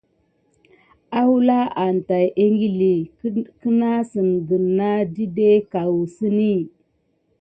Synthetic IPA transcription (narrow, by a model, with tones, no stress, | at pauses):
a˦wu˦la˦ʔa˨n˨ta˨jʔe˦ŋɡi˦li˨kə˦na˦sə˨nɡə˨nːa˦di˦de˦ka˨wu˨si˦ni˦˨